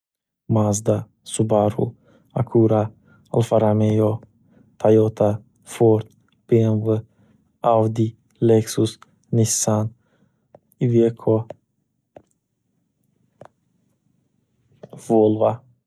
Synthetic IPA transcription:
mazd̪a | subaɾṵ | akʰuɾa | a̰lfaɾamejɔ | t̪ʰajɔt̪ʰa | foɾt̪ | b̥envə | awd̪i | leksus | nisan | ivekʰɔ | volva

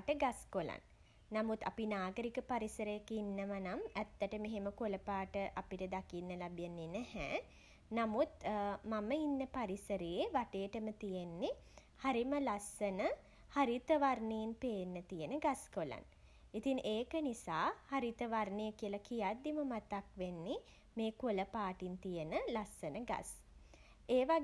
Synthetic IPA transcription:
ʈəɡaskola̰nː | amut̪apinaːɡəɾikəpaɾisəɾəjakinːəʋanamæt̪ːəʈəmeɦeməkoləpaːʈəʔapiʈəd̪akinːəlabjenːenɛhɛ̰ː | namut̪maməinːəpaɾisəɾejeʋaʈejʈəmət̪ijenːe | haɾiməlasːənə | haɾit̪əʋarnejinpeːnːət̪ijənəɡaskola̰n | it̪iŋʔeːkənisaːhaɾit̪əʋarnejəkijəlakijad̪ːiməmat̪akʋenːi | meːkuləpaːʈint̪ijənəlasːənəɡa̰s | eːʋa

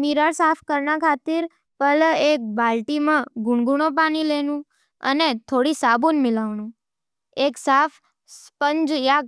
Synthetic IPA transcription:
miɾaɭsafʰkəɾnakʰat̪iɾ | pəlek̚balʈimãɡuɳɡuɳ̃opanilenũ | ə̰net̪ʰoɽisabunmɪlaʋnũ | eksafʰ | spəɲd͡ʒjaɡ̚

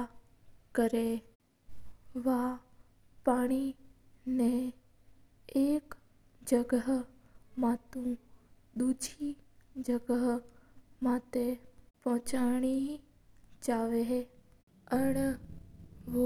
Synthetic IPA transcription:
kəɾe | ʋa | paːɽ̃i | nẽ | eːk | d͡ʒəɡəɦ | maːt̪ũ | d̪uːd͡ʒʱid͡ʒəɡəɦ | maːt̪epɔ̃ɦt͡ʃaːɽ̃i | d͡ʒaːʋeɦ | əɽ | ʋo

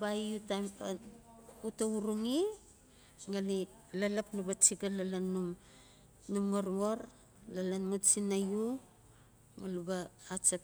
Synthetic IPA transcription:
baiutampa | utauɾuŋi | ŋali | lalapnubat͡ʃiɡalalanum | numŋoɾŋoɾ | lalanmut͡ʃinaju | ŋalubaːt͡ʃap

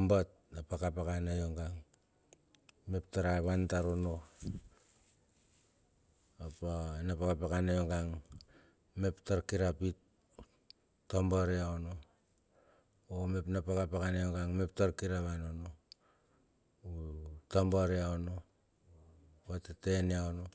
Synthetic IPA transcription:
mbat | napakapakanajoŋɡaŋ | mep̚taɾaβantaɾono | apanapakapakanajoŋɡaŋ | meptaɾkiɾapit | ambaɾeaono | omepnapakapakanajoŋɡaŋme̞p̚taɾkiɾaβanono | utambaɾeaono | watateneaono

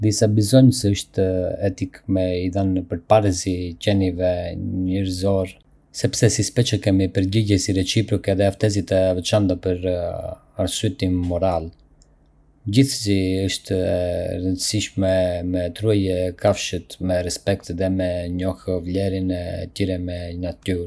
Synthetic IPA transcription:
d̪isabizɔɲsɛəʃt̪ɛt̪ikmɛiðanpəɾpaɾəsicɛnivɛɲəɾzɔɾ | sɛpsɛsispɛt͡ʃəkɛmipəɾɟiɟɛsiɾɛt͡ʃipɾɔkɛðɛaft̪ɛzit̪ɛvɛt͡ʃant̪apəɾ | aɾsuɛt̪inːɔɾal | ɟiθsiəʃt̪ɾənd̪əsiʃmɛmɛt̪ɾuajɛkʰafʃət̪mɛɾɛspɛk̚t̪ðɛmɛɲɔhvlɛɾinɛt̪iɾɛmɛnat̪yɾ

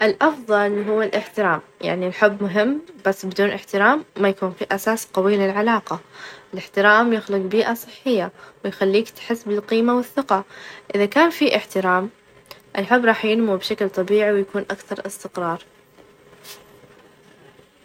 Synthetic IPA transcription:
ʔɪlʔɑfðˤɑlɦʊwːɪlʔɪħt̪ɪɾaːmja̰ʕnilħʊbːmʊɦɪmːb̥asːbɪd̪uːnʔɪħt̪ɪɾaːmːajakuːnfiʔasaːsq̪ɑwiːlɪlʕalaːqɑʔɪlɪħt̪ɪɾaːmjɪxlɪqbiːʔasˤɨħːɪjːawɪjxalːiːkt̪ħɪsːbɪlqiːmawɪθːɪqɑʔɪðakaːnfiʔɪħt̪ɪɾaːm | ʔɪlħʊbːɾˤɑːħjɪnmubʃaklt̪ˤɑbiːʕiwjakuːnʔakθɑɾˤʔɪst̪ɪqɾˤɑːɾˤ

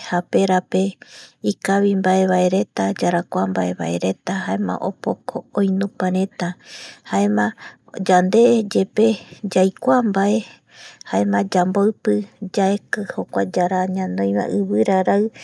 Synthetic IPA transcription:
hape̞ɾape̞ikaβimbae̞βae̞ɾe̞t̪ad͡ʒaɾakʷambaʔe̞βa̰e̞ɾe̞t̪ahaemã̰ʔo̰pokʰoõjnũpaɾẽ̞t̪ahaemã | d͡ʒand̪e̞d͡ʒe̞pe̞d͡ʒajkʷambae̞ | haemãd͡ʒamboɨpɨd͡ʒaekɨhokʷad͡ʒaɾaɲãnd̪õj̃mã̰ʔɨβɨɾaɾaɨ

